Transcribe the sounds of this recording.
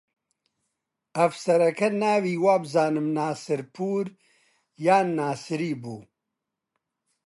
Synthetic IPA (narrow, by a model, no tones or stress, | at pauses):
ɐvsɐɾɐkɐnaːviːwaːbzaːnɨmnaːsɨɾpʰuːɾ | jaːnːaːsɨɾiːbuː